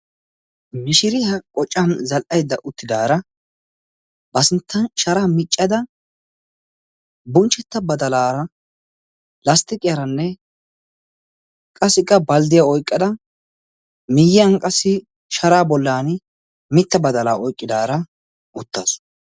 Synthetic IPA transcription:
mɪʃɪɾɪhɐkʼɔt͡ʃʼːɐnzɐlʔɐjd̪ːɐʔʊt̪ːɪd̪aːɾɐ | bɐsɪnt̪ːɐnʃɐɾaːmɪt͡ʃʼːɐd̪ɐ | bʊnt͡ʃːɛt̪ːɐbɐd̪ɐlaːɾɐ | lɐst̪ɪkʼɪjɐɾɐnːɛ | kʼɐsɪkʼːɐbɐld̪ɪjaɔjkʼːɐd̪ɐ | mɪjːɪɐnkʼɐsɪ | ʃɐɾaːbɔlːaːn | mɪt̪ːɐbɐd̪ɐlaːʔɔjkʼːɪd̪aːɾɐ | ʔʊt̪ːɐs

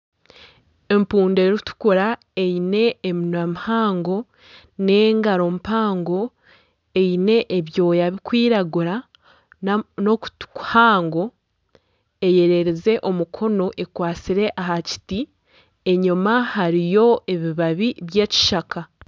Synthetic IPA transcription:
e̞mpuːnde̞ɾitu̥koɾa | e̞ine̞ːminamihaːŋɡo̞ | ne̞ːŋɡaɾo̞mpaːŋɡo̞ | e̞ine̞ʔeβjo̞ːjaβikwiːɾaɡuɾa | notku̥haːŋɡo̞ | e̞je̞ɾeɾeze̞ʔo̞mukʰo̞no̞ʔe̞kwaːt͡siɾe̞ʔaɦaci̥ti | e̞ɲumahaɾijo̞e̞βiβaβiβjeci̥ʃaka

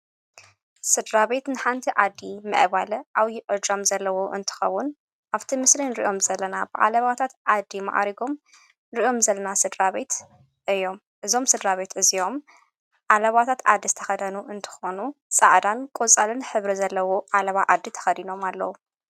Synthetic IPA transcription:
sɨd̪ɾaβe̞t̪nɨħant̪ʰiʔʕad̪ːimɨ̰ʔβalɨʔaβjiʔɨd͡ʒamzɐlːɐwoʔɨ̰nt̪ʰɨ̥xɐwːʊn | ʔaβt̪ʰimɨslinɾiʔo̞mzɐlːɐnabɨʕa̰lɐβat̪ʰat̪ʕad̪ːima̰ʔa̰ɾiɡo̞m | nɨɾiʔo̞mzɐlːɐnasɨd̪ɾaβe̞t̪ | ʔɨjːo̞m | ʔɨzo̞msɨd̪ɾaβe̞t̪ɨzio̞m | ʕalɐβat̪ʰat̪ʕa̰d̪ːizɨt̪ʰɐxɐd̪ɐnuʔɨnt̪ʰɨ̥xo̞nusʼa̰ʕd̪ankʼot͡sʼalɨnħɨβɾizɐlːɐwoʔalɐβaʔad̪ːit̪ʰɐ̥xɐd̪ino̞malːɐwu

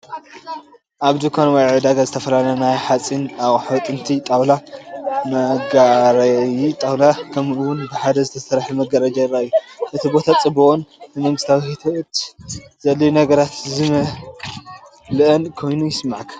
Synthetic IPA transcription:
ʔaβd̪ukʰanwɐjʕɨd̪aɡazɨt̪ʰɐfɐlalɐnajħat͡sʼinawʼħwt̪ʼɨnt̪ʰit̪ʼawlamɐɡaɾɐjit̪ʼawlakʰɐmɨwʊnbɨħad̪ɐzɨt̪ʰɐsɐɾħimɐɡɐɾɐd͡ʒɐjɨrːajːuʔɨt̪ʰibo̞t̪ʰat͡sʼɨbuʔonɨmɐŋɡɨst̪ʰawihit̪ʰʔt̪zɐlːɐjunɐɡɐɾat̪zɨmɐ | lɨʔɐnkʰo̞jnujɪsmaʕkʰ

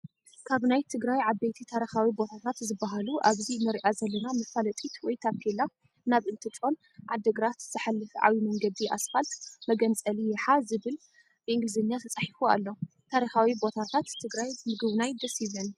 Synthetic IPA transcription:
kʰaβnajt̪ʰɨɡɾajʕabejt̪ʰit̪ʰaɾixawibo̞t̪ʰat̪ʰat̪zɨbːaɦaluʔaβzimɐɾiʔazɐlːɐnamɐfalɐt̪ʼit̪wɔjt̪ʰakʰela | naβɨnt̪ʰɨt͡ʃʼo̞n | ʕad̪ːɐɡɾat̪z̥ɨħalːɨfʕa̰wimɐŋɡɐd̪iʔa̰sfalt̪mɐɡɐnt͡sʼɐlijɛħazɨβɨl | bɨʔɨŋɡlɨzenjat̪ʰɐt͡sʼɐħifua̰lːo̞ | t̪ʰaɾixawibo̞t̪ʰat̪ʰat̪ʰːɨɡɾajmɨɡɨβnajd̪ɐsiβɐn

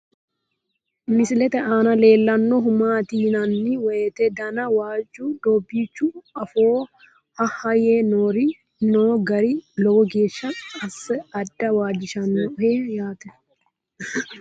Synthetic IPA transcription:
mɪsɪlɛt̪ɛʔaːnɐle̞ːlːɐnːɔɦʊmaːt̪iːnɐnːɪwɛjɛt̪ɛd̪ɐnɐwaːd͡ʒud̪ɔːbːiːt͡ʃːuɐfoː | hɐhɐjeːnoːɾɪ | noːɡɐɾilɔɡɔɡe̞ːʃːɐɐsːɛɐd̪ːɐwaːd͡ʒɪʃɐnːɔheːjaːt̪ɛ

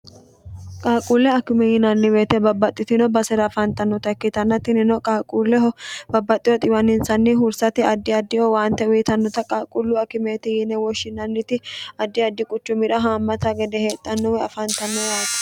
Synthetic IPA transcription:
kʼaːkʼulːɛɐkːɪmɛjɪnɐnːɪbeːt̪ɛbɐbːɐt̪ʼːɪt̪ɪnɔbɐsɛɾɐfɐnt̪ɐnːɔt̪ɐkːɪt̪ɐnːɐt̪ːɪnɪnɔkʼaːkʼulːɛɦɔbɐbːɐt̪ʼːɪɔt̪ʼɪwɐnɪnsɐnːɪɦʊɾsɐt̪ɪɐd̪ːɪɐd̪ːɪhɔwaːnt̪ɛwiːt̪ɐnːɔt̪ɐkʼaːkʼʊlːʊɐkːɪmet̪ɪjɪnɛwɔʃɪnɐnːɪt̪ɪɐd̪ːɪɐd̪ːɪkʼʊt͡ʃːʊmɪᶑɐɦaːmːɐt̪ɐɡɛd̪ɛheːt̪ʼːɐnːɔwɛɐfɐnt̪ɐnːɔjaːt̪

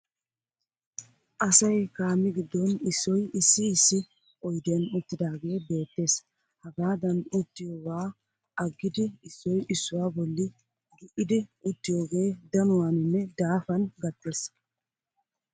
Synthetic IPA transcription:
ʔɐsɐjkaːmːɪɡɪd̪ːɔnɪsːɔjɪsːɪːsːɪ | ɔjd̪ɪjɐnʊt̪ːɪd̪aːɡe̞ːbe̞ːt̪ːe̞ːs | hɐɡaːd̪ɐnʊt̪ːɪjoːwaː | ɐɡːɪd̪ɪɪsːɔjʔɪsːʊwaːbɔlːɪ | ɡɪʔɪd̪ɪʊt̪ːɪjo̞ːɡe̞ːd̪ɐnʊwaːnɪnːɛd̪aːfɐnɡɐt̪ːe̞ːs

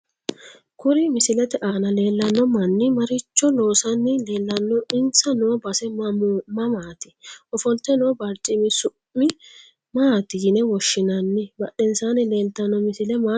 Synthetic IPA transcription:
kʊɾɪmɪsɪlɛt̪ɛʔaːnɐle̞ːlːɐnːɔmɐnːɪmɐɾɪt͡ʃːɔlo̞ːsɐnːɪle̞ːlːɐnːɔɪnsɐnɔbɐsɛmmɐmaːt̪ɪ̥ʔɔfɔlt̪ːɛnɔːbɐɾt͡ʃʼɪmɪsʊʔmːɪ | maːt̪ɪnɛwɔʃːɪnɐnːɪbɐʔɛnsaːnɪle̞ːlt̪ɐnːɔmɪsɪlɛmaː

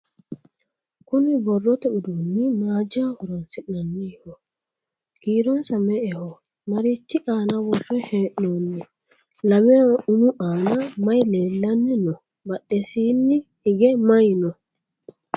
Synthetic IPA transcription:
kʊnɪbɔrːɔt̪ɛʊd̪onːɪmaːd͡ʒahɔɾɔnsɪʔnɐnːɪhɔ | ɡ̥iːɾɔnsɐmɛʔɛhɔ | mɐɾit͡ʃːɪʔaːnɐwɔrːɛheːʔnoːnːɛ | lɐmɛjaʊnʊʔaːnɐmɐjleːlːɐnːɪnɔ | bɐɗɛsiːnːɪhɪɡɛmɐjnɔ

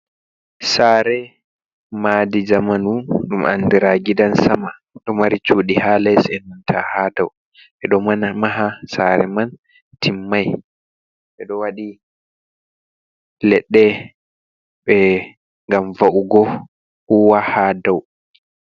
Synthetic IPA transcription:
saːɾɛ | maːdid͡ʒamanuɗuma̰ndiɾaɡidansama | ɗɔmaɾit͡ʃuːɗihaːlɛsɛnantʰahaːdaw | ɓɛɗɔmanmaɦasaɾɛ̰man | tʰimːaj | ɓɛɗɔwaɗi | lɛɗːɛ | ɓɛ | ŋɡamvaʔuɡɔ | huwahaːdaw

